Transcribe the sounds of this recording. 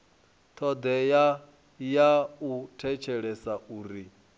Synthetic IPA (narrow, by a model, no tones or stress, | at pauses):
t̪ʰɔd̪ɛja | jautʰɛt͡ʃʰɛɺɛsauːɾi